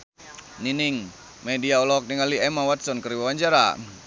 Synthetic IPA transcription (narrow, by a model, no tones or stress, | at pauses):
niniŋ | mediaɔlɔk̚niŋaliɛmawat̪̚sɔnkəɾiwawaɲd͡ʒaɾa̰